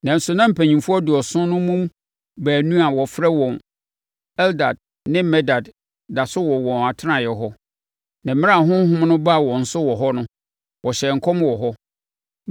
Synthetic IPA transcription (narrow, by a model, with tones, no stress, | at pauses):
nã˨n̩˨sʊ˨nã˦m̩˨pʰæ˨ɲĩ˨mfu˦ɔ˦dʊ˨ɔ˨sʊ̃˦nʊ̃˦mũ˦m | bæː˨nũ˦a˨wɔ˨fɾɛ˦wɔ̃˨n | ɛ˦lda˨d̚ | nɪ̃˦mɛ˦da˨d | da˨sʊ˦wɔ˨wɔ̃˨na˨tʰɪ˦nã˨jɛ˨ɦɔ˦ | nã˨m̩˦mɪ̃˦a˦˨ɦʊ̃˦ɦʊ̃˦m˦nʊ̃˦ba˦˨wɔ̃˨n̩˦sʊ˦wɔ˨ɦɔ˦nʊ̃˦ | wɔ˨ɕɛ˨ŋ̩˨kʰɔ̃˦mwɔ˨ɦɔ˦